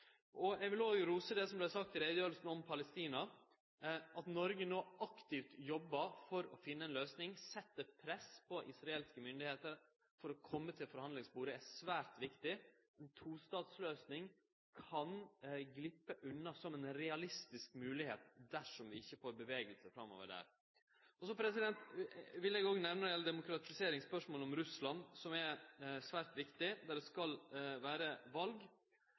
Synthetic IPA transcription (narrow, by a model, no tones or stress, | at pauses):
ʔɔɛɪɡʋɪloːjʊɾuːsəd̪ɛsɔmblɛsɑk̚t̪ʰːɪlɾɛɪd̪əjøːɾl̩sn̩ɔmpʰɑləst̪iːnɑ | ɑt̪nɔɾɡənoːɑkt̪ɪft̪jɔbːɑfɔɾɔfɪnːəɛːnløːsnɪŋsɛt̪ːəpʰɾɛspʰɔʔɪsɾɑeːlskəmʏnd̪ɪheːt̪əɾ | fɔɾɔkʰɔmːət̪ʰɪlfɔɾhɑnd̪lɪŋsbuːɾəæsʋæːɾt̪ʋɪkt̪ɪ | ɛnt̪ʰuːst̪ɑːd̪sløːsnɪŋ | kʰɑnɡlɪpːəʔʉnːɑsɔmɛnɾɛɑlɪst̪ɪskmʉːlɪheːt̪d̪æʂɔmʋɪɪçːəfoːɾbəʋeːɡəlsəfɾɑmːo̰ːʋə̰ɖæ̰ɾ | ɔsɔpʰɾɛsɪd̪ɛnt̪ʋɪlɛɡoːɡənɛʋnəjɛləd̪ɛmʊkɾɑt̪ɪseːɾɪŋspœʂmoːlɔmɾʉslɑnsɔmɛsʋæːɾt̪ʋɪkt̪ɪd̪æɖɛskɑlʋæːɾəʋɑlɡ